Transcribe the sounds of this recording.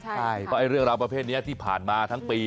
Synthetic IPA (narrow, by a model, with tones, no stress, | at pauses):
t͡ɕʰa˥˩jpʰɔ˦˥ʔa˧jɾɯ˥˩əŋɾaː˧wp̬ɾa˧pʰeː˥˩t̪̚ni˦˥ɐt̪ʰiː˥˩pʰa̰ː˨˩nmaː˧t̪ʰa˦˥ŋpiː˧